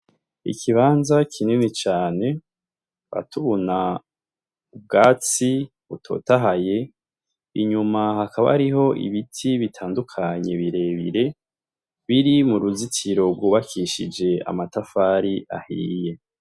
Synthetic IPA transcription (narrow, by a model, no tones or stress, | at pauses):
ḭkʰiβaːnzakʰininit͡ʃaːne̞ | βa̰tʰuβuna | ub̚ɡaːt͡si | βutʰo̞̰ːtaɦaje̞ | ḭɲumahakaβa̰ɾiɦo̞ʔḭβitʰiβitʰaːndukʰaɲe̞βiɾe̞ːβḭɾe̞ | βiɾimuɾuzitʰiɾo̞bɡuːβakʰiːʃid͡ʒe̞a̰matafaːɾiʔa̰hḭːje̞